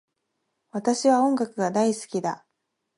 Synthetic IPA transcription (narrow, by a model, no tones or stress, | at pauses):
βat̪aɕiβaõ̞ŋɡakɯɡad̪aisɨ̥kʲid̪a